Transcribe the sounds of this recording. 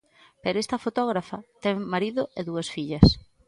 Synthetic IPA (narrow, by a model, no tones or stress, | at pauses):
peɾoest̪ɐfot̪ɔɣɾafɐt̪ɛŋmaɾiðʊeðuɐsfiʎɐs